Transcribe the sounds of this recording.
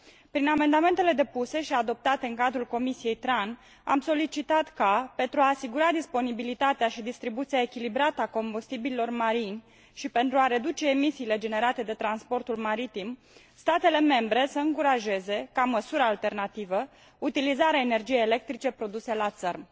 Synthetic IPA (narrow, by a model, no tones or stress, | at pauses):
pɾiname̞nd̪ame̞nt̪ele̞d̪e̞puse̞ʃiad̪o̞p̚t̪at̪e̞ɨŋkad̪ɾulko̞misije̞jt̪ɾan | a̰mso̞lit͡ʃit̪at̪kape̞nt̪ɾuaːsiɡuɾad̪ispo̞nibilit̪at̪eaʃid̪ist̪ɾibut̪sijaekʲilibɾat̪əako̞mbust̪ibililo̞rmaɾinʲ | ʃipe̞nt̪ɾuaɾe̞d̪ut͡ʃe̞ːmisiːle̞d͡ʒe̞ne̞ɾat̪e̞d̪e̞t̪ɾanspo̞rt̪ulmaɾit̪im | st̪at̪e̞le̞me̞mbɾe̞səɨŋkuɾaʒe̞ze̞kaməsuɾəːlt̪e̞rnat̪ivə | ut̪ilizaɾeaene̞rd͡ʒije̞jele̞k̚t̪ɾit͡ʃe̞pɾo̞d̪use̞lat̪sərm